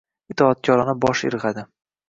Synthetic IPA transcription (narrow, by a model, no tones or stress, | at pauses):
ɪt̪ʰɒːt̪̚kʲʰɒɾanɪbɒʃɪ̰ɾʁad̪ɪ